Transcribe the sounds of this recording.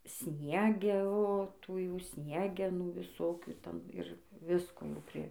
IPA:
ˈsʲnʲiɛɡʲɛ oː ˈtuː jɛʊ ˈtuː ˈsʲnʲiɛɡʲɛnuː ʋʲɪˈsoːkʲuː ˈtʲɛn ɪr ˈʋʲɪskoː jɛʊ ˈpʲrʲɪ

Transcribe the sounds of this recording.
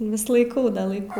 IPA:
ʋʲɪs lˠɐɪˈkɐʊ dɐ lˠɐɪˈkɐʊ

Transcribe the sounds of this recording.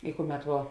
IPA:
ɪ ˈkʊˌmʲɛt ʋuɔ

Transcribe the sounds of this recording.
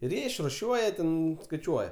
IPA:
ɪr ˈjiɛ ɪʃrʊˈʃʲuɔjɛ ˈtʲɛn skɐɪˈt͡ʃʲuɔjɛ

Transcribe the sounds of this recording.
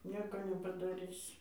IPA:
ˈnʲiɛkoː nʲɛpɐdɐˈrʲɪsʲɪ

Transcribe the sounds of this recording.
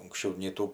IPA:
ʊŋksʲˈt͡ʃʲɛʊ nʲɛɪ ˈtuː

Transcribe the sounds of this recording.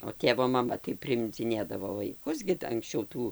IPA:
oː ˈtʲeːʋoː mɐˈmɐ tɐɪ pʲrʲɪɪmʲd͡zʲɪˈnʲeːdɐʋoː ʋɐɪˈkʊs ɡʲɪ t ɐŋksʲˈt͡ʃʲɛʊ ˈtuː

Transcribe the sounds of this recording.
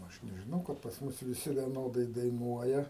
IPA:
ˈɐʃ nʲɛʒʲɪˈnɐʊ kɐt pɐs ˈmʊs ʋʲɪˈsʲɪ ʋʲiɛˈnoːdɐɪ dɐɪˈnuɔjɛ

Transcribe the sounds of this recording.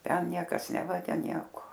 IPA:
ˈtʲɛn ˈnʲiɛkɐs ˈnʲæːʋɐɡʲɛ ˈnʲiɛkoː

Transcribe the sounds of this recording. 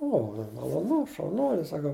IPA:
ˈoː mɐ mɐlˠoːˈnʊ ʃɐʊˈnuɔlʲɪ sɐˈkɐʊ

